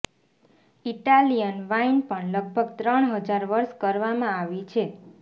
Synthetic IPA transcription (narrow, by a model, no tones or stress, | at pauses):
iʈalijənʋainpəɳləɡ̚bʱəɡt̪ɾəɳ̃ɦəd͡ʒaɾʋəɾʃkəɾʋamãaʋit͡ʃʰe